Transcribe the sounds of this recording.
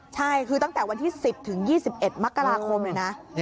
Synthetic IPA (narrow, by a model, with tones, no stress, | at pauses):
t͡ɕʰa˥˩jkʰɯː˧t̪a˥˩ŋt̪ɛː˨˩wa˧nt̪ʰiː˥˩si˨˩p̚t̪ʰɯ˩˦ŋjiː˥˩si˨˩p̚ʔe˨˩t̪̚ma˦˥kːa˧ɾaː˧kʰo˧mna˧˩na˦˥ʔ